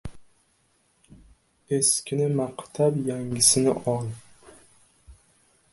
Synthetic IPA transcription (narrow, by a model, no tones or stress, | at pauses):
e̞skʲɪnɪmaqt̪ʰabjaŋʲɪsɪnɪ̰ʔɒlˠ